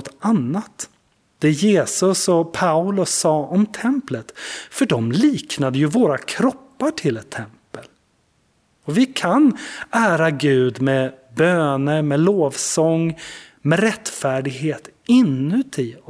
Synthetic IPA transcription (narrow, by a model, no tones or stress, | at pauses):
t̪anːat̪ | d̪̥ɛjeːsɵsɔpʰaʊlɵsːɑːʔɔmt̪ʰɛmplət̪fœɖɔmliːknad̪əjɵvoːɾakʰɾɔpːaʈʰɪlɛt̪ʰːɛmpəl | ɔvɪkʰanæːɾaɡʉ̟ːd̪mɛbøːnəɾmɛloːvsɔŋːmɛɾɛt̪ːfæːɖɪɡɦeːt̪ɪnːʉ̟t̪ɪɔ